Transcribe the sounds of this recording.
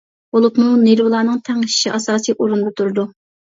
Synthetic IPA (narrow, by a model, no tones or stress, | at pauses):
b̥olˠupmunelwɨlˠɑːnɨŋt̪ʰæŋɨʃʃiʔɑsɑːsijʔoɾund̪ɑt̪ʰuɾd̪u